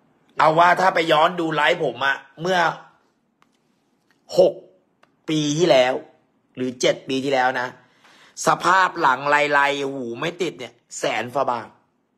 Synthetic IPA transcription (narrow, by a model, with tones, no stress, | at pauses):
ʔa˧wːaː˥˩t̪ʰaː˥˩pa˧jːɔː˦˥nduː˧la˦˥jpʰo˩˦mʔa˨˩ʔmɯ˥˩ɐ | ho˨˩k̚ | piː˧t̪ʰiː˥˩lɛː˦˥w | ɾɯː˩˦t͡ɕe˨˩t̪̚piː˧t̪ʰiː˥˩lɛː˦˥wna˦˥ | sa˧pʰaː˥˩p̚la˩˦ŋlaː˧jla˧jhuː˩˦ma˥˩jt̪i˨˩t̪̚ni˦˥˩ɐsɛː˩˦nfa˧baː˧˩ŋ̚